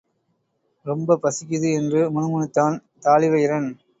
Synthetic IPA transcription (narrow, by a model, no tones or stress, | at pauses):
ɾɔmbɐpɐsɪkːɪðɯɛndrɯmʊnɯmʊnɯt̪ːaːnt̪aːɭɪʋɐjɪɾɐn